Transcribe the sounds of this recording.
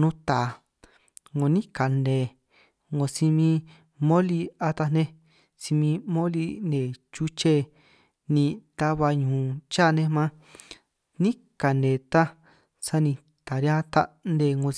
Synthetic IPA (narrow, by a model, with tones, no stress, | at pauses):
nũ˦t̪a˨ | ŋõ˧nĩ˦ka˨nde˨ | ŋõ˧si˧mĩ˧ | mõ˦li˧a˧t̪a˧nẽ˦ | si˧mĩ˧mõ˦li˧nẽ˨t͡ʃu˦t͡ʃe˦ | nĩ˧t̪a˦βa˧ɲũː˨t͡ʃa˦˨˧nẽ˧mã˦ | nĩ˦ | ka˨nẽ˨t̪a˦ | sa˦nĩ˧ | t̪a˨ɾi˧˦ã˦t̪a̰˧nde˧˨ŋɡõ˧